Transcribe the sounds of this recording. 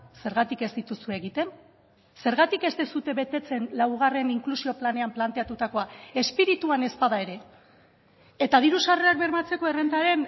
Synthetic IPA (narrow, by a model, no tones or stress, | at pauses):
se̞ɾɣat̪ike̞zd̪it̪usueːɣit̪e̞n | se̞ɾɣat̪ike̞zt̪esut̪e̞βe̞t̪e̞t͡se̞nlawɣ̞are̞niŋklusio̞plane̞amplant̪e̞at̪ut̪ako̞ae̞spiɾit̪uane̞spaðae̞ɾe̞ | et̪að̞iɾusareak̚be̞ɾmat͡se̞ko̞e̞rend̪aɾe̞n